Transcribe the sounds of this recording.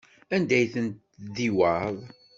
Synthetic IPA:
ænd̪æjθənt̪ | ðiwəðˤ

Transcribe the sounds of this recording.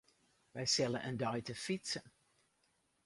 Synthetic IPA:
ʋɛjsɛlənʔəndœɥtəfitsən

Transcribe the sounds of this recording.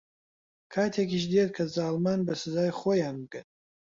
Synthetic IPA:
kʰaːt̪ʰekʰiʃ̬d̪et̪̚kʰɐzaːlmaːnbɐsɨzaːjχojaːnbɨɡɨn

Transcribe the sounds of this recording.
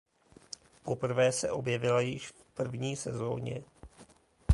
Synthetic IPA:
po̞pr̩vɛːsɛʔo̞bjɛvɪlajɪʃfpr̩vɲiːsɛzo̰ːɲɛ̰

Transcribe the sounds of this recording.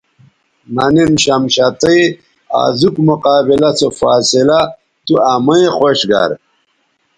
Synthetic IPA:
nɐninɕɐmɕɐt̪ɐj | a̰ːzukmuqaːbilɐt͡sofaːsila | t̪uamɐexoɕɡɐ̰ɾ

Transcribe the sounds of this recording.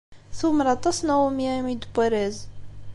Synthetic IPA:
θʊmɾˤɑt̪ˤɑsˤnawəmjæmid̪bæɾæz

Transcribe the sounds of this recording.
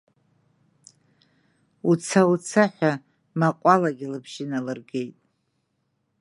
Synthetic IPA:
ut͡sʰawut͡sʰaħʷᶣa | maqʷʼalaɡʲilɨpʰʃɪnalɨrɡe̞jtʼ

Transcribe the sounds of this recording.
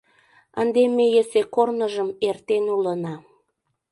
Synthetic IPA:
ənd̪emejesekornəʒəmert̪enulənɑ

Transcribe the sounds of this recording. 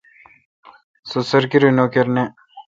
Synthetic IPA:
sosɐɾkiɾinokeɾne

